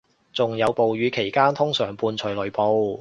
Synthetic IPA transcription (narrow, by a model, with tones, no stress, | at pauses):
t͡sʊ˨ŋjɐ˨˧wpo˨wjyː˨˧kʰe˨˩jkaː˥nt̪ʰʊ˥ŋsœː˨˩ŋpuː˧nt͡sʰɵ˨˩lɵ˨˩ɥpo˧w